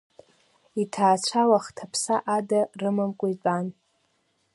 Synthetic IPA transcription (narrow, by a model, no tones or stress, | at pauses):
itʰaːt͡ɕʷʰawaχtʰapʰsaʔadarɨmamkʷʼʊit͡ɕʷʼan